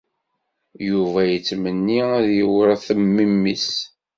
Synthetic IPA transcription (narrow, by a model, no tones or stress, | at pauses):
juvæjət͡sːmənːiæðjəwəɾθəmːimːis